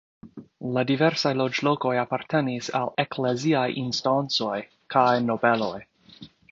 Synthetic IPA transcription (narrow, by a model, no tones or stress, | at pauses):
ladive̞ɾsajlo̞d͡ʒlo̞ko̞japaɾtʰe̞nisa̰lekleziajʔinstant͡so̞j | kʰajno̞be̞lo̞j